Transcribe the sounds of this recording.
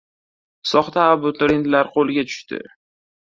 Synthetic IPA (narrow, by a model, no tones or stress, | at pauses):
sɒχt̪aːbʊt̪ɾent̪laɾqʰolˠɪɡʲat͡ʃ̪ʰʊ̥ʃt̪ɪ̰